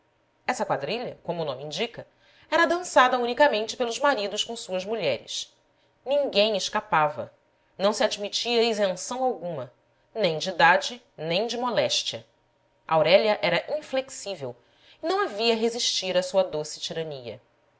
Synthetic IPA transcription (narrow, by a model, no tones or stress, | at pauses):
ɛsɐkwad̪ɾiʎɐkõmʊnõmɪiĩd͡ʒikɐ | ɛɾɐd̪ɐ̃sad̪ɐũnikɐmẽnt͡ʃɪ̥pelʊzmaɾid̪ʊʃkõw̃suɐzmuʎɛɾɪ̰s | nĩŋɡẽj̃eʃkapavɐ̰ | nɐ̃w̃siad͡ʒmit͡ʃiɐezẽsɐ̃w̃awɡũmɐ | nẽj̃d͡ʒɪid̪ad͡ʒɪ | nẽj̃d͡ʒɪmolɛʃt͡ʃiɐ̰ | ʔawɾɛʎɐʔɛɾɐʔĩfleksivew | ɪnɐ̃w̃aviɐɦeziʃt͡ʃiɾɐsuɐd̪osɪ̥t͡ʃiɾɐniɐ̰